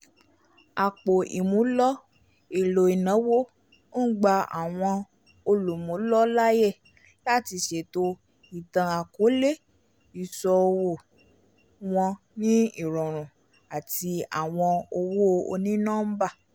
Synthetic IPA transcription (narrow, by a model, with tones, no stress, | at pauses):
a˨k͡po˨ʔḭ˨mũ˨˦lɔ˦ | i˦˨lo˨i˨nã˨˦wo˦ | n̩˦ɡ͡ba˧a̰˨w̃ɔ̃˧ | o˧lu˨mũ˨˦lɔ˦la˦jɛ˦˨ | la˦˨ti˧˦ʃe˨to˦ | i˨tã˨˧a˨ko˨˦le˦ | i˨sɔ˧o˧wo˦˨ | w̃ɔ̃˧ | nĩ˦i˦˨ɾɔ̃˨ɾ̃ũ˨ | a˨ti˧a̰˨w̃ɔ̃˧o˧wo˦˧o̰˧nĩ˦nãː˦m̩˦ba˦˨